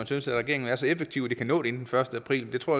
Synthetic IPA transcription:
mænsynsæ̥ʁɛɡ̥e̝ɐ̰eŋn̩æɐsɒ̽efe̥t͡sʰiʊ̰d̥ikʰænɔ̰ːde̝e̝nd̥en̩fɶɐsd̥əæpʰʁḭːlmend̥e̝t͡sʰʁo̝ɐ

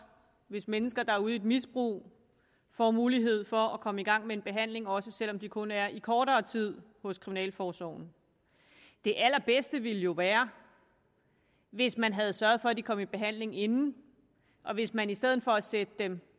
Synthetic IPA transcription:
ʋe̝smenəsɡ̥ɐd̥ɑ̈æɐuð̞̩ˠe̝d̥misb̥ʁṵː | fɒmuːliɦe̝ð̞̰ˠfɒ̽ækʰɒ̽məiɡ̥ɑ̈ŋ̰meenb̥e̝ɦæn̰le̝ŋɒ̽səsel̰ɒ̽md̥ikʰɔ̽næɐʔikʰɒːɾɐːt͡sʰið̞̰ˠhɔ̽skʰʁiminɛ̰ːlfɒːsɒʊn̩ | d̥e̝ʔæl̰ɐb̥esd̥əʋiləjo̝ʋæːɐ | ʋe̝smænɦæð̞ˠsɶɐð̞̩ˠfɒ̽æd̥ikʰɒ̽mib̥e̝ɦæn̰le̝ŋe̝nn̩ | ʔɒ̽ʋe̝smænisd̥eð̰̩ˠfɒ̽æsed̥əd̥em

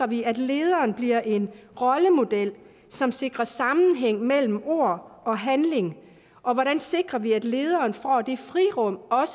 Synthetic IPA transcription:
ɐʋiæd̥le̝ːð̞ˠɐːnb̥liɐ̰ʔe̝nʁɒ̽ləmo̝d̥el̰ | sɒ̽mse̝ɡ̥ʁɐsɑ̈mn̩ɦeŋ̰mel̰m̩o̝̰ɐ̰ɒ̽ɦænle̝ŋ | ʔɒ̽ʋɒɾænse̝ɡ̥ʁɐʋiæd̥le̝ːð̞ˠɐːnfɒ̰ːd̥e̝fʁiʁɔ̽m̰ɒ̽s

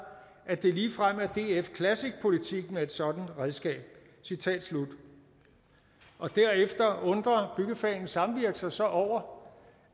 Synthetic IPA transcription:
ʔæd̥e̝liːfʁam̰æɐd̥e̝̰ːefkʰlæsiɡ̥̚pʰo̝lit͡sʰiɡ̥mee̝d̥sɒ̽d̥n̩ʁɛðˠsɡ̥ɛ̰ːb̥̚ | sit͡sʰɛ̰ːd̥slud̥ | ʔɒ̽d̥æɐ̰efd̥ɐɔ̽nd̥ʁɐb̥yɡ̥əfɛ̰ːnn̩sɑ̈mʋiɐɡ̥sɑsɒ̽ʔɒʊ̰ɐ

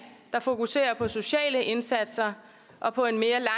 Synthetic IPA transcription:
d̥ɑ̈fo̝kuse̝̰ːɐpʰɒ̽so̝ɕɛ̰ːləʔe̝nsæd̥sɐ | ʔɒ̽pʰɒ̽e̝nme̝ːɐlɑ̈

